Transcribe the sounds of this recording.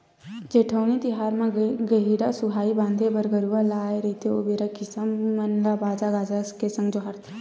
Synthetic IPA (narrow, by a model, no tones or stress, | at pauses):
d͡ʒeːʈʰəʊnit̪ɪɦaːɾmãɡəɦiɾasuɦaːibãːnd̪ʱebəɾɡəɾualaːeɾɐit̪ʰioːbeːɾakɪsəmːɐnlabaːd͡ʒaɡaːd͡ʒaskesɐ̃ŋɡd͡ʒoɦaɾt̪ʰi̥